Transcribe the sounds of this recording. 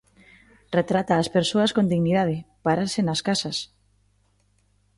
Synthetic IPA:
ret̪ɾat̪aːspeɾsoɐskond̪iɣniðaðɪpaɾaɾsenaskasɐs

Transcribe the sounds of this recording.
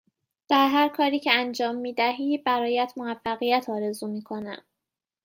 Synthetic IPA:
d̪̥æɾɦæɾkʰɒːɾiːcʰeænd͡ʒɒːmːiːd̪æɦiːbæɾɒːjæt̪ʰmoæfːæɣijæt̪ʰɒːɾe̞zuːmiːkʰo̞næ̰m

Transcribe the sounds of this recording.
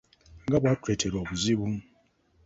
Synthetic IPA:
ŋɡabwatʰwetʰɛlɔbuzibuŋ

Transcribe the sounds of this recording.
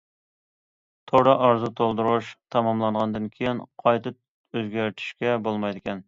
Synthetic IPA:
t̪ʰoɾɑʔɑɾzut̪ʰolˠd̪uɾuʃt̪ʰɑmɑmlˠɑɴʁɑnd̪ɨnkʲʰejɪnqʰɑjt̪ɨp | øzɡʲæɾt̪ʰi̥ʃkʲɛbolˠmɑjd̪ɪkʲɛn

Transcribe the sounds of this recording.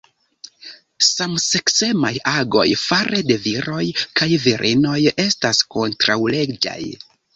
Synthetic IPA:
samse̞kse̞majaɡo̞̰jfaɾʔe̞de̞viɾo̞jkajviɾʔino̞je̞stasko̞ntɾawle̞d͡ʒa̰j

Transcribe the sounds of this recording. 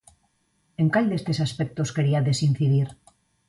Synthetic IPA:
eŋkaʎd̪est̪esaspek̚t̪o̞ske̞ɾiaðe̞sin̟θiðiɾ

